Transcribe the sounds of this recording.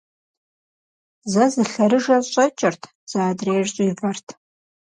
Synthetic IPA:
zazɨɬaɾɨʐaɕʷʼɐt͡ʃʼɪrtʰ | z̥aːdreːʒt͡ɕʼuibartʰ

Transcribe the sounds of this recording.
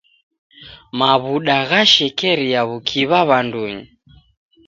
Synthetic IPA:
maβuɗaɣaʃɛkɛɾiaβukʰiβaβanduɲi

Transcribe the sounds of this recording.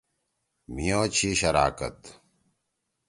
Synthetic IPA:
mijoːt͡ɕʰiɕɐɾa̰ːkɐ̰t̪

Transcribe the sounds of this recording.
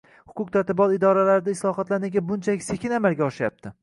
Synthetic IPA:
hʊ̥kʊq̚t̪ʰat̪ɪbɒlɪd̪ɒɾalaɾɪd̪aɪslˠɒhɒt̪lanɪɡʲabʊnt͡ʃʰalɪkʲse̞kʲɪnamalɡʲaɒʃɪjap̚t̪ʰɪ

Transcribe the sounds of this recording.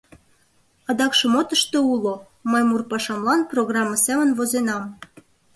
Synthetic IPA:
ɑd̪ɑkʃɤ̆mot̪əʃt̪eulo | mɤjmurpɑʃɑmlɑnproɣrɑmːɑsæmə̆nvozenɑm

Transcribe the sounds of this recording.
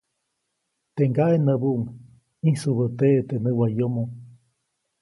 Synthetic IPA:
t̪eŋɡaenəβuʔŋ | isuβət̪eʔt̪enɨwajomo

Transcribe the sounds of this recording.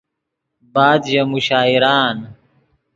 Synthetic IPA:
baːd̪jɐmuɕaːiɾaːn

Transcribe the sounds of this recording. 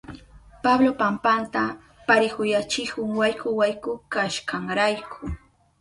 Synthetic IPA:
pablopampant̪a | paɾɪkʊjat͡ʃɪkʊŋwajkʊwajkʊkaʃkaŋɾajkʰʊ

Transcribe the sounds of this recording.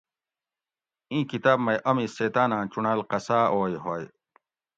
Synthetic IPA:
ĩːkit̪aːbmɐjʔɐmĩseːt̪aːnãːt͡ɕunalqɐsaːoːjɦoːj

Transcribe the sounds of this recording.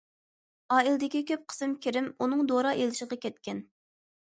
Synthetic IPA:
ɑːilˠd̪ɪkʲikʲʰøp̚qʰə̥sɨmkʲiɾɪmunɨŋd̪oɾɑʔelɪʃɪʁɑkʲɛt̪̚kʲɛn

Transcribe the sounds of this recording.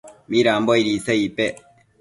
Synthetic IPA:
miɾaːmbɔiɾisaipɛ

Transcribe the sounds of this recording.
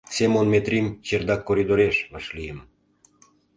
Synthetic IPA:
semonmʲet̪rʲimt͡ɕerd̪ɑkːoɾʲid̪oɾeʃmɑʃlijəm

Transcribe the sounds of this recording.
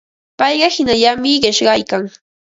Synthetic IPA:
pɑjɢɑhɪnaʎamɪɢɪʃɢɑjkaŋ

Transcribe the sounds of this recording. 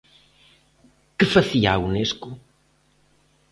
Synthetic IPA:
kɨfɐθiaunesku

